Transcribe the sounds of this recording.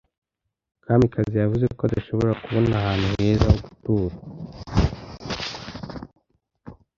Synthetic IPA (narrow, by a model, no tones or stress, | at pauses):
kaːmbikʰazijavuze̞koad̪aʃo̞βo̞ɾakuβo̞nahaːn̥huhe̞ːzahoɡu̥tuːɾa